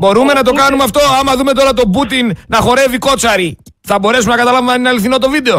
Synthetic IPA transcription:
bo̞ɾume̞nɐt̪o̞kɐnumeɐft̪o̞ɐmɐðume̞t̪o̞ɾɐt̪o̞but̪innɐxo̞ɾe̞viko̞t͡sɐɾi | θɐbo̞ɾe̞sumenɐkɐt̪ɐlɐvemeɐninɐliθino̞t̪o̞vid̪e̞o̞

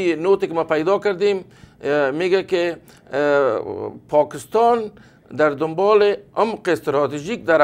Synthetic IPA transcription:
not̪ekmapajd̪ɑkəɾd̪em | meɡake | pʰɑkɪst̪ɑn | d̪aɾd̪ʊmbɑleamqest̪ɾɔt̪iʒik̚d̪aɾ

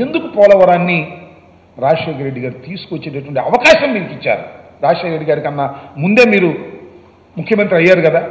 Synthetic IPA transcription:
end̪ukupɔːlɐʋɐɾaːnːi | ɾaːʂeːkɐɾeɖːiɡaːɾit̪iːsu̥kuʋot͡ʃːeːʈɐʈʋɐɳʈiɐʋɐkaːʃɐmːiːɾikit͡ʃːa̰ːɾuɾaːʂeːkɾeɖːiɡaːɾikɐnːamund̪e̞ːmiːɾu | mukʰːjɐmɐnt̪ɾiɐjːaːɾukɐd̪aː

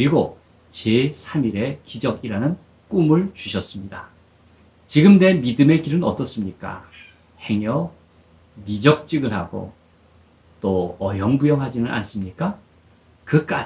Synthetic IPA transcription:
kɯɾiɡo | t͡ɕe̞sʰamiɾe̞kid͡ʑʌɡiɾanɯn | k͈umɯɭt͡ɕuɕʰʌs͈ɯmɲida | t͡ɕiɡɯmne̞midɯme̞kiɾɯnʌt͈ʌs͈ɯmɲik͈a̰ | he̞ŋjʌ | mid͡ʑʌk̚t͡ɕ͈iɡɯɭɦaɡo̰ | t͈oʌjʌŋbujʌŋɦad͡ʑinɯnʔa̰ns͈ɯmɲik͈a | kɯk͈a

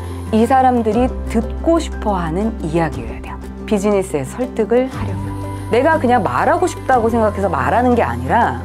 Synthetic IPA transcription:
isʰaɾamdɯɾitɯt̚k͈oɕʰi̥pʰʌɦanɯnijaɡiḛjadejo | pid͡ʑiɲis͈ɯe̞sʰʌɭt͈ɯɡɯɭhaɾjʌɡojo | ne̞ɡakɯɲaŋma̰ɾaɡoɕʰi̥p̚t͈aɡosʰe̞ŋɡakʰe̞sʰʌma̰ɾanɯnɡe̞a̰ɲiɾa

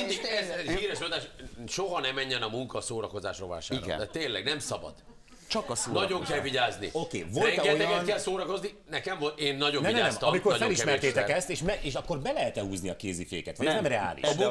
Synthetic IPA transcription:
iniɛziːɾɛʃod̪aːʃʃoɦɒnɛmːɛɲːɛnɒmuŋkɒsoːɾɒko̞zaːʃro̰ːva̰ːlʃa̰ːiɾɾɡ̰ɛt̪ːeːnlːɛɡnɛmsɒbɒ̰d̪ | t͡ʃɒkɒsoːnɒɟoŋkɛlviɟaːznḭokḛːvoɾlɛŋɡɛtoj̪ɛkɛnkɛlsoːɾɒko̞zninɛkɛmvolt̪eːnːɒɟonɛiɛanɛmt̪ɒmiko̞rfɛliʃmɛrt̪eːt̪ɛkɛst̪eːʃmɛeːʃɒkːorbɛlɛɦɛt̪ɛɦuːzniɒkeːzifḛːkɛt̪ʋɒjnɛmrɛa̰ːlḭʃm

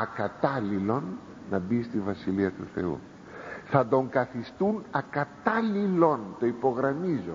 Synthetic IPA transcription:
ɐkɐt̪ɐlilo̞nː | ɐbist̪ivɐsiliɐt̪uθe̞̰ṵ | θɐd̪o̞ŋkɐθist̪unɐkɐt̪ɐlilo̞nt̪o̞ipo̞ɣɾɐmizo

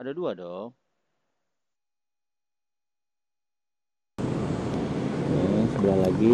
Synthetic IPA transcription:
adaduadɔ | asəbəlahlaɡi

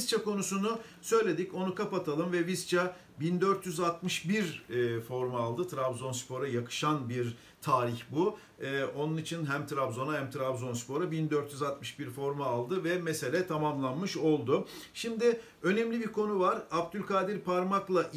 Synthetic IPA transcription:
zt͡ʃʰako̞nusunu | sø̞jlʲe̞d̪ico̞nukapat̪ʰalˠɯmvɛvist͡ʃʰa | bind̪øɾt̪ʰjyzat̪mɯʃbiɾfo̞ɾmaːlˠd̪ɯt̪ʰɾabzo̞nspʰo̞ɾajakʰɯ̥ʃanbiɾ | t̪ʰaːɾiçbu | ɛo̞nunit͡ʃʰinɦæmt̪ʰɾabzo̞nahæmt̪ʰɾabzo̞nspo̞ɾabind̪øɾt̪ʰjyzat̪mɯʃbiɾfo̞ɾmaːlˠd̪ɯvɛmɛse̞lʲɛt̪ʰamamlˠanmɯʃo̞lˠd̪ʊʃimd̪ɪ | ø̞nɛmlʲibiɾkʰo̞nuvaɾapd̪ylʲkaːd̪iɾpʰaɾmaklˠaʔ

